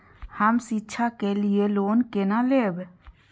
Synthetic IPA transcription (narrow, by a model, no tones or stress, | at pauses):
həmsitːʃʰakelieloːnkenaleːb